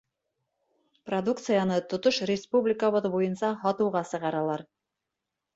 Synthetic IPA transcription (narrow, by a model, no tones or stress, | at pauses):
prɐd̪ukt̪sɨjanɤt̪ŏt̪oʃrʲɪspublʲɪkəβɤðbujɤ̆nsɑhɑt̪ɤ̆wʁɑsɤ̆ʁɑɾɑlˠɑɾ